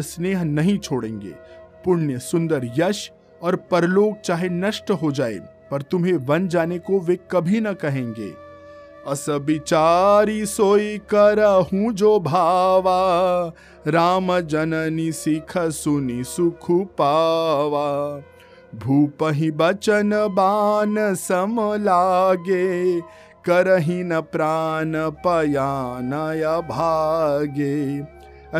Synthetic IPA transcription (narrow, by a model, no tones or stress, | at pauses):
sneːɦnɐɦĩt͡ʃʰoːɽḛ̃ːŋɡḛːpʊɽjəsʊ̃nd̪əɾjɐʃ | ɔːɾpɐɾloːɡ̚t͡ʃaːɦenɐʃʈɦod͡ʒaːḛː | pɐɾt̪ʊmɦeʋɐnd͡ʒaːnekoʋekɐbʱinɐkɐɦẽːŋɡḛː | ɐsəbɪt͡ʃaːɾisoːikɐɾəɦũd͡ʒoːbʱaːʋa | ɾaːmɐd͡ʒɐnɐnisikʰɐsunisukʰupaːʋaː | bʱuːpɐɦĩbɐt͡ʃɐnɐbaːnɐsɐmɐlaːɡe | kɐɾɐɦinɐpɾaːnɐpɐjaːnajɐbʱaːɡe